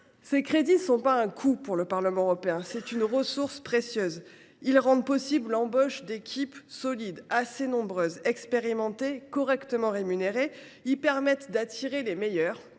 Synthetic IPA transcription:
sekχed̪inəsɔ̃paɛ̃kʰupuʁləpaʁləmɑ̃ʁɔpeɛ̃sɛt̪ynʁəsuʁspχesjøːz | ilʁɑ̃d̪pɔsibllɑ̃bɔʃd̪ekʲʰipsɔlid̪asenɔ̃bʁøzɛkspeʁimɑ̃t̪ekɔʁɛkt̪əmɑ̃ʁemyneʁe | ipɛʁmɛt̪d̪at̪ʰiʁelemejœːʁ

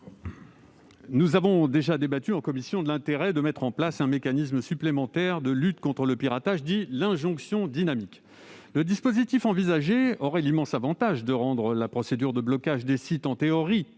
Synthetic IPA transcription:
nuzavɔ̃d̪eʒad̪ebat̪yɑ̃kɔmisjɔ̃d̪əlɛ̃t̪eʁɛd̪əmɛt̪χɑ̃plasɛ̃mekanisməsyplemɑ̃t̪ɛʁd̪əlyt̪kɔ̃t̪χələpiʁat̪aʒd̪ilɛ̃ʒɔ̃ksjɔ̃d̪inamik | ləd̪ispozit̪ifɑ̃vizaʒeɔʁɛlimɑ̃savɑ̃t̪aʒd̪əʁɑ̃d̪ʁəlapχɔsed̪yʁd̪əblɔkaʒd̪esit̪ɑ̃t̪eɔʁi

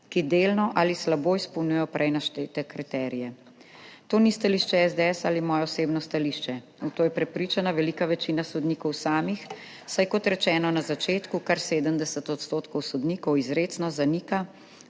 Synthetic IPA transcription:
kid̪eːlnɔʔaːlislaboːispɔwnujɛjɔpɾʔɛjnaʃt̪eːt̪ɛkɾit̪ɛɾijɛ | t̪oːnist̪aliːʃt͡ʃɛɛzd̪eɛsaːlimɔːjɔɔseːbnɔst̪aliʃt͡ʃɛ | ut̪oːjɛpɾɛpɾiːt͡ʃanaʋɛliːkaʋɛt͡ʃinasɔd̪nikɔwsaːmix | sajkɔt̪ɾɛt͡ʃɛːnɔnazat͡ʃeːt̪kukaɾseːd̪əmd̪ɛsət̪ɔt̪st̪oːt̪kɔwsɔd̪niːkɔwizɾeːt̪snɔzaniːka

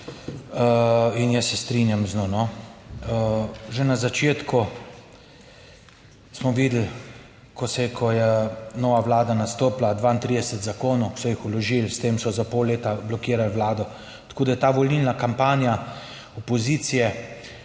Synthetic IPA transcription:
injəsːɛst̪ɾinjamznonɔəʒenazat͡ʃeːt̪ku | smɔʋiːd̪l̩ | kɔsɛkʰɔjɛnɔːʋaʋlaːd̪anast̪oːplad̪ʋaːint̪ɾid̪ɛsɛt̪zakoːnɔwksɔjixulɔʒilst̪eːmsɔzapolleːt̪ablɔkiːɾalwlaːd̪ɔ | t̪ḁkoːd̪ajɛt̪aːʋɔlnilnakampaːnja | ɔpɔziːt̪sijɛ

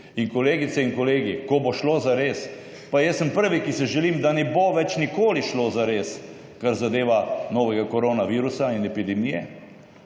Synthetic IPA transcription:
inkɔleːɡit̪sɛinkɔleːɡikoboʃloːzaɾeːs | pajɛsəmpəɾʋikisɛʒɛliːmd̪anɛboʋɛt͡ʃnikoːliʃlozaɾeːs | kaɾzad̪eːʋanɔːʋɛɡakɔɾonaʋiːɾusainɛpid̪ɛmijɛ̰

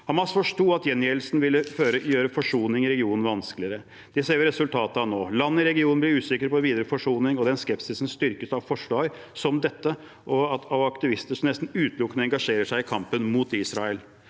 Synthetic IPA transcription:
hɑmɑsfɔʂʈuːɑt̪jɛnjeːlsnʋɪlːəføːɾəjøːɾəfɔʂuːnɪŋɪɾɛɡɪuːnn̩ʋɑnsklɪəɾə | d̪̥ɛseːʋɪɾɛsʉlt̪ʰɑːt̪əɑʋnoːlɑnːəɪɾɛɡɪuːnnblɪɾʉːsɪkəɾpɔʋiːd̪əɾəfɔʂuːnɪŋɔd̪ɛnskɛpsɪsn̩st̪ʏɾkəsɑʋfɔʂʋɑːɡ | sɔmd̪ɛt̪ːə | ʔɔɑt̪ɑʋɑkt̪ɪʋɪst̪əʂɔmnɛst̪n̩ʉːt̪lʊkːənəɛŋɡɑʂeːɾəʂæɪɪkʰɑmpənmuːt̪ɪːsɾɑɛl

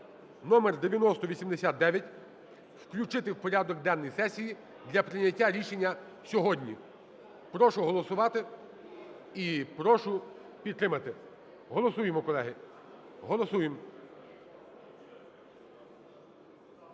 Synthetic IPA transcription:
nɔmerd̪eʋʲjɐnɔst̪ɔʋʲisʲimd̪esʲat̪̚d̪ɛʋʲjɐtʲ | wklʲʊt͡ʃɪt̪ɪwpɔɾʲad̪ɔkd̪ɛnːɔjsɛsʲiji | d̪lʲɐpɾɪnʲɐtʲːaɾʲiʃenʲːɐ | sʲɔɦɔdʲnʲḭ | pɾɔʃʊɦɔlˠɔsʊʋɑt̪ɪ | ipɾɔʃʊ | pʲid̪t̪ːɾɪmɐt̪ɪ | ɦɔlˠɔsujemɔkɔlˠɛɦɪ | ɦɔlˠɔsujem

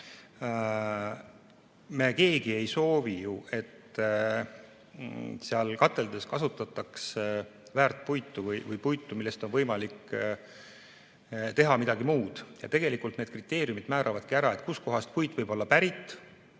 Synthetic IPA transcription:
me̞ke̞ːɡ̥ie̞jso̞ːvijue̞t̪ː | seɑlkɑt̪ˑːe̞ld̪̥e̞skɑsut̪ːˑɑt̪ːˑɑksvæːrt̪̚ˑpujt̪ːˑuvɯjvɯjpujt̪ːˑumilːe̞st̪o̞nvɤjmɑlik | t̪e̞ɦɑmid̪ɑɡimuːd̪̥jɑ̰t̪e̞ɡ̥e̞likˑult̪neːd̪̥̚krit̪ːˑe̞ːɾiumid̪mæːɾʔɑvɑd̪̥kiæɾɑe̞t̪̚kusko̞ɦɑst̪̚pujt̪vɤjbo̞lːɑpæɾit̪ːˑ

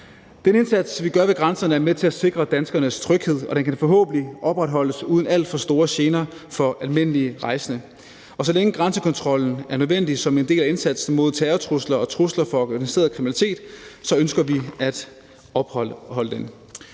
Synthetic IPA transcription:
d̥ene̝nsæd̥sʋiɡ̥ɶɐʋe̝ɡ̥ʁɑ̈nsɐnəæɐmet͡sʰe̝læse̝ɡ̥ʁɐd̥ænsɡ̥ɐnəst͡sʰʁœɡ̥he̝ð̰ˠɒ̽d̥enkʰænfɒɦɔ̰ːb̥n̩iʔɒ̽b̥ʁad̥ɦɒ̽l̰əsuːð̞ˠn̩æl̰d̥fɒ̽sd̥o̝ːɐɕe̝ːnɐfɒ̽ælme̝n̰əliəʁɑ̈ɪsənə | ɒ̽sɒ̽leŋəɡ̥ʁɑ̈nsəkʰɒ̽nt͡sʰʁɒ̽l̰n̩æɐnøðˠʋen̰d̥isɒ̽me̝nd̥e̝̰ːlæe̝nsæd̥sn̩mo̝ð̞̰ˠt͡sʰæːɐt͡sʰʁuslɐɒ̽t͡sʰʁuslɐfɒ̥̽ɡænise̝̰ːɐð̩ˠkʰʁiminælit͡sʰe̝̰ːd̥sɒ̽ønsɡ̥ɐʋiæd̥ | ɒb̥hɒ̽ləd̥en

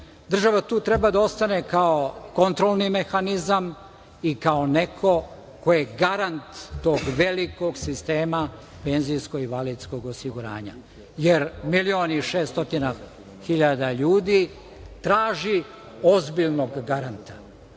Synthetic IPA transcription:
d̪r̩ʒaʋat̪uːt̪ɾe̞bad̪ao̞st̪ane̞kaoko̞nt̪ɾolˠnime̞xanizam | ikaone̞kʰo̞ | ko̞jeɡaɾant̪ːo̞ːɡʋe̞liko̞ɡsist̪e̞ːma | pe̞nzijsko̞ɡiʋalid̪sko̞ɡosiɡuɾa̰ːɲa̰ | jeɾmilioːniʃeːst̪o̞t̪ina | xiʎad̪aʎuːd̪i | t̪ɾaːʒi | o̞zbiʎnoɡːaɾant̪ḁ

